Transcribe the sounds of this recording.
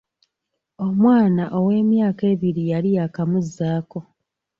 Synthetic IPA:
o̞mwaːnaʔo̞we̞ːmjaːke̞ːβiɾijalijakamuzːaːko̞

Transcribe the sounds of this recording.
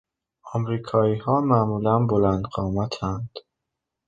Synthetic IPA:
ɒmɾiːkʰɒːiːhɒːmæmuːlænbolænd̪ɢɒːmæt̪ʰænd̪̥

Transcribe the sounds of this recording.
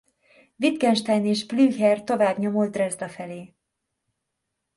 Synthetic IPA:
vit̪ɡɛnʃt̪ɛjneːʃplyːhɛrt̪o̞vaːbɲo̞molt̪ːrɛzd̪ɒfɛleː

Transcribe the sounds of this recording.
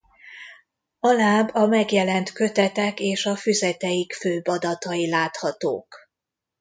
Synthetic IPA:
ɒlaːbɒmɛɡjɛlɛnt̪kø̞t̪ɛt̪ɛkeːʃɒfyzɛt̪ɛjikføːbɒd̪ɒt̪ɒjilaːt̪hɒt̪o̰ːk

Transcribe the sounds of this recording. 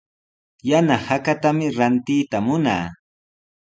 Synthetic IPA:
janahakat̪amɪɾant̪ɪjt̪amʊna̰ː

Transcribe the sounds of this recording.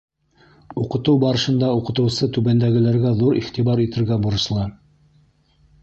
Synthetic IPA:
uqɤ̆t̪ɤwbɑɾɤ̆ʃɤ̆nd̪ɑuqɤ̆t̪ɤ̆wsɤt̪ʉβænd̪æɡɘ̆læɾɡæðuɾḭχt̪iβɑɾit̪ɘ̆ɾɡæbuɾɤ̆ʃlˠɑ

